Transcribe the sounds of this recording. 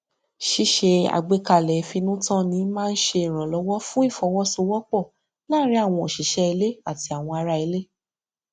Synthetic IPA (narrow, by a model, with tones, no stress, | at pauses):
ʃi˦ʃe˧a̰˧ɡ͡be˧ka˨lɛ˨˧fi˧nũ˦tɔ̃˦nĩ˨˦mãː˦˧n̩˦ʃe˧i˨ɾ̃ɔ̃˨lɔ˨˦wɔ˦fũ˦i˦˨fɔ˧˦wɔ˦so˧wɔ˦k͡pɔ˦˨ | la˦ɾi˦a˦˨w̃ɔ̃˧o˨ʃi˨ʃɛ˦i˧le˦a˦˨ti˧a˨w̃ɔ̃˧a˧ɾa˧i˧le˦